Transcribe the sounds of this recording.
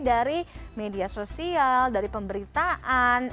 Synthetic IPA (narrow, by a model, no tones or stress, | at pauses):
daɾimediasosialdaɾipəmbəɾit̪aʔan